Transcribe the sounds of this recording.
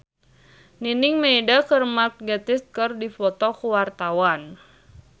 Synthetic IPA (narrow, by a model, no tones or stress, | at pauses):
ninɪŋmeːdakərmak̚ɡat̪ɪs̚kɨrdifɔt̪ɔkuwart̪awan